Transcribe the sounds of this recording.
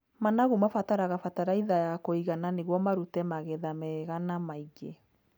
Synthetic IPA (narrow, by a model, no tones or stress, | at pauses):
manaɣumafataɾaɣafataɾaiðajakoiɣananeɣwɔmaɾutɛmaɣɛðamɛɣanamaiɡe